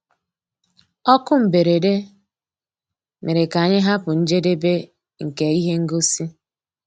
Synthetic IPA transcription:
ɔ˦kʊ˦m̩˨be˨ɾe˨de˦ | me˨ɾe˨ka˨ɲɪ˦ɦa˦pʊ˨n̩˦d͡ʒe˦de˦be˦ | ŋ̩˨ke˨i˦ɦe˦ŋ̩˦ɡo˦si˦

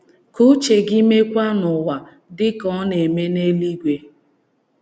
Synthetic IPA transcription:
kʊ˦t͡ʃe˨ɡi˦me˦kʷa˦nʊ˨wa˨ | dɪ˦kɔ˦ne˨me˦ne˦li˦ɡʷe˨

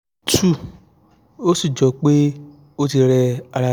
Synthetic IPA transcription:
tʰu˦˨ | o˦si˦˨d͡ʒɔ˨˦k͡pe˦ | o˦ti˧ɾɛ˧a˧ɾa˧

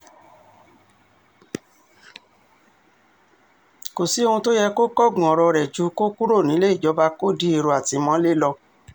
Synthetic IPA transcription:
ko˨si˨˦o˧hũ˧to˦jɛ˧ko˦kɔ˦˨ɡũ˨ɔ˨ɾɔ˧ɾɛ˨d͡ʒu˧˦ko˦ku˦ɾo˦˨nĩ˨˦le˦i˦˨d͡ʒɔ˨˦ba˧ko˦di˦e˧ɾo˧a˨ti˧mɔ̃˧˦le˦lɔ˧

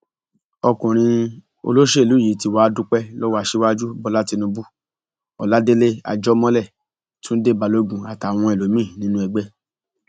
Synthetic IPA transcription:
ɔ˧kũ˨ɾ̃ĩ˧ | o̰˧lo˦ʃe˦e˨lu˨˦˨ji˨˦ti˧wa˦dũ˦k͡pɛ˦lɔ˦wa˦˧˨ʃe˦wa˦d͡ʒu˦bɔ˧la˦ti˧nũ˧bu˦ | ɔ˨la˨˦de˦le˦a̰˧d͡ʒɔ˦mɔ̃˦lɛ˦˨ | tũ˦n̩˦de˦˨ba˧lo˧ɡũ˨a˨ta˨w̃ɔ̃˧i˨lo˨˦mĩ˦˨nĩ˦nũ˦ɛ˧ɡ͡bɛ˦

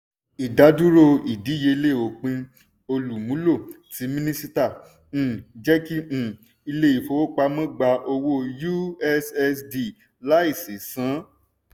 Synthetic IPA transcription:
i˨da˨˦du˦ɾo˦˧i˨di˨˦je˧i˧le˦˨o˨k͡pĩ˧ | o˧lu˨mũ˨˦lo˦˨ti˨˦mĩ˦nĩ˦si˦tã˦˨˦ | d͡ʒɛ˦kĩ˦˨ | i˧le˦i˨fo˧˦o˦k͡pa˧mɔ̃˦˨ɡ͡ba˧ʔo˧wo˦ju˦ɛ˦sɛ˧sdi˧ | la˨˦i˦˨se˨sã˨˦

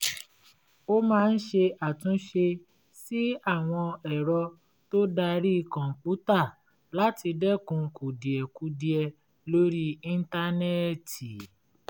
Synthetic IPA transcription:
o˦mãː˦˧n̩˦ʃe˧ʔa˨tũ˨˦ʃe˧ | si˦a˦˨w̃ɔ̃˧ɛ˨ɾɔ˧ | to˦da˧ɾi˦˧kã˨pu˨˦ta˦˨ | la˨˦ti˧dɛ˦kũ˧˦ku˨di˨ɛ˨ku˧˦di˧ɛ˧ | lo˦ɾi˦ĩ˧n̩˦ta˦nɛ˦ti˨

